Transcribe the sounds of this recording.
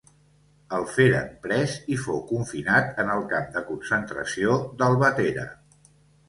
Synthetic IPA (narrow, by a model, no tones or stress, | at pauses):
əlˠfeɾəmpɾɛzifowkuɱfinat̪ənəlˠkamd̪əkunsənt̪ɾə̰siod̪əlˠβət̪eɾə̰